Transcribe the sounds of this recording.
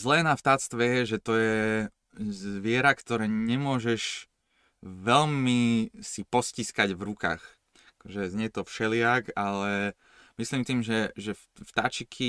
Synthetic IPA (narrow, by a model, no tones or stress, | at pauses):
zlɛːnaft̪at͡st̪ʋɛjɛʒɛt̪ɔjɛ | zʋɪɛɾakt̪ɔɾɛːɲɛmʊɔʒɛʃ | ʋɛlmisipɔsciskaɟvɾuka̰ːx | akɔʒɛzɲɛt̪ɔfʃɛlɪakalɛ | misliːmt̪iːmʒɛʒɛfft̪at͡ʃikʰi